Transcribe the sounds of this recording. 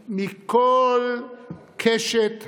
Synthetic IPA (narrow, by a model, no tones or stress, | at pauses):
mikol | kʰeʃet̪